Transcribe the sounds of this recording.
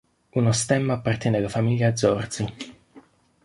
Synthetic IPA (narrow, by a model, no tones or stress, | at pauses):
unost̪ɛmːaːpːart̪jɛnealːafamiʎːaːd̪zːɔrd̪si